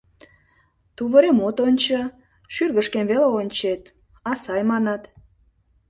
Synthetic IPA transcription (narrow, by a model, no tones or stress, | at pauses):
t̪uβəɾemot̪onʲt͡ɕə | ʃyrɣəʃkemβeleonʲt͡ɕet̪ | ɑsɑjmɑnɑt̪